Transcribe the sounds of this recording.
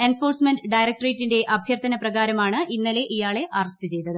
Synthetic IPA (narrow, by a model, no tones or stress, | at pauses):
e̞nfo̞ːrsmenɖɖɐjɾɐk̚ʈrejtːinde̞ʔɐbʱjɐrt̪ɐnɐprɐɣaːɾɐmaːɳɨʔinːɐle̞ʔijaːɭe̞ʔɐrɐstɨt͡ɕe̞jt̪ːɐðɨ